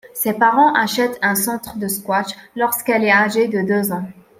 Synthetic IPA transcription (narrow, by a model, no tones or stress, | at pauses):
sɛpaʁɑ̃ʔaʃɛt̪ɛ̃sɑ̃t̪χəd̪əskwat͡ʃlɔʁskɛlɛaʒed̪əd̪øzɑ̃